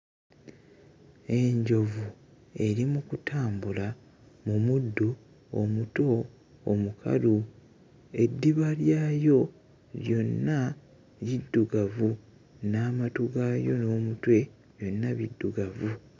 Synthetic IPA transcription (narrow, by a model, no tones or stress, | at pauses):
e̞ɲɟo̞vu | e̞ɾimukutʰaːmbula | mumudːu | omuto̞ː | mukʰa̰lu | e̞dːiβaljaːjo̞ | ɾjo̞nːa | βidːuɡavu | naːmatuɡajo̞no̞ːmutwe̞ | jo̞nːaβidːuɡavu